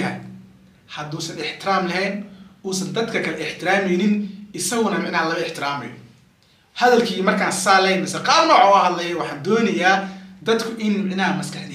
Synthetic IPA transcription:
ɐ | hɐd̪uːsɐnɪħt̪ʰɪɾaːmlɐɦɛːnuːsɐnd̪ɐd̪kʰɐkʰɐlɛɪħt̪ʰɪɾaːmɛjnɪnɪsɐɣʊnɐmɪʕnɐɦɐlɐmɐɪħt̪ʰɪɾaːmɛ̰jɔ | hɐðɐlkʰiːmɐrkʰaːnsaːlɛjmɐsɐqɑːbnɔːʕɔːɐhɐd̪lɐjɛwɑħɑːnd̪ɔːnɐjaːd̪ɐd̪kʰʊʔɪnmɪʕnɐɦɐmɐskɐħd̪ɪ

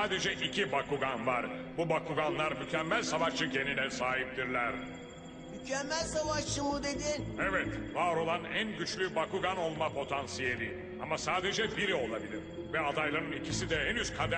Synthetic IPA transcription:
aːd̪e̞d͡ʒɛʔicʰibakuɡanvaɾbubakʰuɡanlˠaɾmycʰɛmːælʲsavaʃt͡ʃɯɟe̞ninɛsaːɦip̚d̪iɾlʲæɾ | mycʰɛmːælʲsavaʃt͡ʃɯmɯd̪e̞d̪inevɛt̪vaːɾo̞lˠanænɟyt͡ʃlʲybakuɡano̞lˠmapʰo̞t̪ʰansije̞lʲi | amasaːd̪e̞d͡ʒɛbiɾio̞lˠabilʲiɾ̥ | vɛad̪ajlˠaɾɯnicʰisid̪ɛɦɛnyz̥kʰad̪

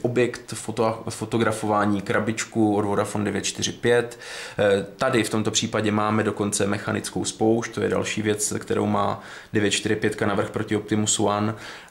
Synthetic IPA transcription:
ʔobjɛkt̪fofot̪o̞ɡɾafo̞vaːɲiːkɾabɪt͡ʃkuodvo̞dafondɛvjɛt̪t͡ʃt̪ɪr̝ɪpjɛt̪ː | adɪft̪o̞mt̪o̞pr̥iːpaɟɛmaːmɛdo̞ko̞nt͡sɛmɛxanɪt͡skowspo̞wʃt̪ojɛ̰da̰lʃiːvjɛt͡skt̪ɛɾo̰wma̰ː | dɛvjɛt̪t͡ʃt̪ɪɾ̝ɪpjɛt̪kanavr̩xpɾo̞cɪop̚t̪ɪmusuan

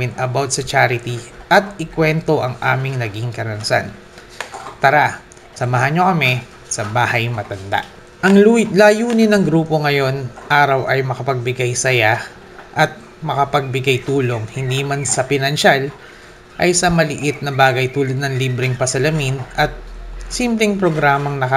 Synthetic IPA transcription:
ɪnɐbawt̪̚sɐt͡ʃaɾɪt̪iʔɐt̪̚ɪkwɛnt̪o̞ʔɐŋʔa̰ːmɪŋnɐɡiŋkɐɾɐnsa̰n | t̪ɐɾa | sɐmaɦanɲo̞kɐmɛ | sɐbaːhɐjmɐt̪ɐnd̪a̰ʔ | ʔɐŋlaːjuːnɪnɐŋɡɾuːpo̞ŋɐjo̞nʔaːɾɐwʔɐjmɐkɐpɐɡ̚bɪɡajsɐja | ʔɐt̪̚ | mɐkɐpɐɡ̚bɪɡajt̪uːlo̞ŋhɪnd̪imansɐpɪnɐnʃal | ʔɐjsɐmɐlɪʔɪt̪̚nɐbaːɡɐjt̪uːlɐd̪̚nɐŋliːbɾɪŋpɐsɐlɐminʔɐt̪̚simplɛŋpɾo̞ɡɾaːmɐŋnɐkɐ

